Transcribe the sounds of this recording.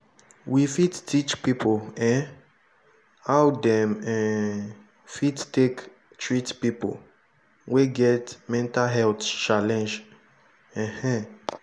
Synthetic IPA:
wifittʰit͡ʃpipoɛ̃ | awdɛ̃mɛ̃ | fittek | tʰɹitpipo̰ | weɡɛtmɛ̃ntaɦɛltt͡ʃalɛ̃nd͡ʒ | ɛ̃hɛ̃

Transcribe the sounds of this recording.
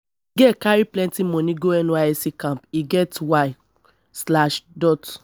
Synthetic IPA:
ɡɛkaɹiplɛ̃ntimɔ̃nĩɡoɛnũaɛsikãmpiɡɛtwaj | slaʃdɔt

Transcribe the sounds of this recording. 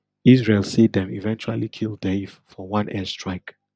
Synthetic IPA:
isɹelˠsidɛ̃mḭvɛ̃nt͡ʃualikʰilˠdeffɔwãnʔɛstɹaɪk

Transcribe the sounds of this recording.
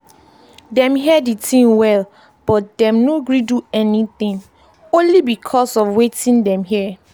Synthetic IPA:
dɛ̃mɦiɛditʰĩŋwɛl | b̥ɔt̚dɛ̃mnoɡɹiduɛnitĩŋ | õnlibikʰɔsɔfwetĩndɛ̃mɦi

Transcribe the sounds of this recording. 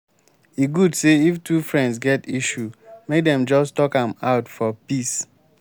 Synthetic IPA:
iɡudseiftʰufɹɛ̃nds̬ɡɛtiʃumek̚dɛ̃md͡ʒɔstɔkãmaʊtfɔpis

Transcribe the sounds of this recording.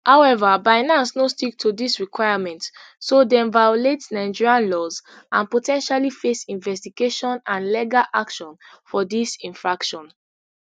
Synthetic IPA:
haʊɛvabaɪnãnsnostik̚tʰudisɹikwaɪamɛ̃ntsodɛ̃nvajoletnaɪd͡ʒiɹiãnlɔz | ãnpotʰɛ̃nʃalifesĩnvɛstiɡeʃɔ̃nãnlɛɡalʔakʃɔ̃nfɔdisĩnfɹakʃɔ̃n

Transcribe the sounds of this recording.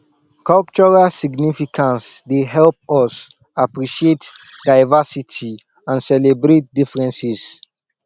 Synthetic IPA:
kɔlp̚t͡ʃɔɹalsiɡnifikʰãnsdeɦɛlp̚ɔs | apɹiʃietdaɪvasitʰi | ãnsɛlebɹet̚difɹɛ̃nsis

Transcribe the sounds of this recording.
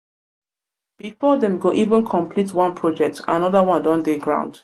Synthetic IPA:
b̥ifɔdɛ̃mɡoʔivə̃nkʰɔ̃mpʰlitwɔ̃npʰɹɔd͡ʒɛk̚ta̰nɔðəwɔ̃ndɔ̃ndɛɡɹã̰ʊ̃nd̥

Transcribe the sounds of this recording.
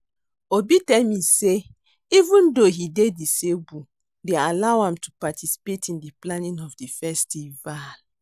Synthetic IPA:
obitɛlmise | ivũndoɦidedisebu | dealawãmtupatʰisi̥petʰĩndiplanĩnɔvdifɛstival

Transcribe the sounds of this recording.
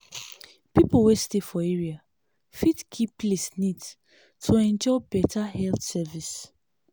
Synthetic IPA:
pipowestefɔeɹia | fitkʰiplesnids | tʰoɛ̃nd͡ʒɔbɛtʰahɛltsɛvis

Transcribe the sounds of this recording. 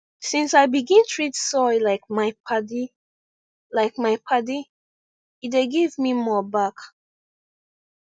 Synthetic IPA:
sĩnsaɪbiɡĩntʰɹitsɔɪlaɪk̚maɪpʰadi | laɪk̚maɪpʰadi | itdeɡivmimɔbak

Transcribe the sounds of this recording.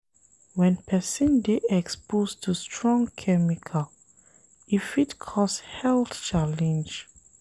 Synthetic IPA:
wɛ̃npʰɛsĩndeʔɛkspostʰustʰɹɔ̃ŋkʰɛmikʰal | ifitkʰɔsthɛlθt͡ʃalɛ̃nd͡ʒ

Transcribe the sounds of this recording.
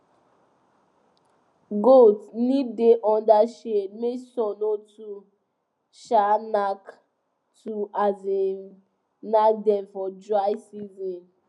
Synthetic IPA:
ɡotnĩdeʔɔ̃ndaʃemesɔnotu | ʃanak | tuʔaze | nadɛ̃nfɔdɹaɪsizɔ̃n

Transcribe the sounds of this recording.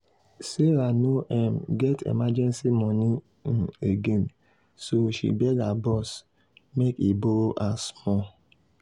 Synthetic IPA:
seɾanoʔɛm̩ɡɛtʰḛmad͡ʒɛ̃nsimɔni | n̩eɡen | soʃḭbɛɡabɔs | mekiboɾoʔasmɔ

